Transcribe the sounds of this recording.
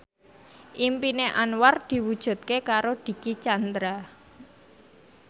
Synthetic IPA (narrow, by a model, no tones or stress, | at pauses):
ʔimpineʔanward̪̥i̤wud̥ʒ̥ṳt̪̚kekaɾod̪̥i̤kit͡ʃand̪ɾa